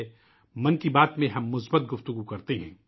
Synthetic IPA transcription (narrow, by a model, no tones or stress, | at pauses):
mɐnkibaːt̪mẽɦɐmːʊsbət̪̚ɡʊft̪ʊɡukɐɾt̪eɦɛ̰̃ː